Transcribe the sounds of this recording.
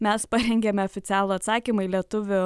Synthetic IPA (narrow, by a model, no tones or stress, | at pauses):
mʲɛspɐɾʲɛŋʲɡʲemʲɛɔːfʲɪt̪sʲæːlˠʊɐt̪sɑːkʲimʊilʲiɛt̪ʊʋʲʊ